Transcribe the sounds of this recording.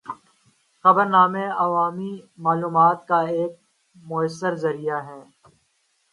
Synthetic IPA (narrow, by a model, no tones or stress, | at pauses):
xɐbəɾnaːmẽɐʋaːmimaːluːmaːt̪̚kaeːk̚ | mʊəsːəɾzɐɾijaɦɛː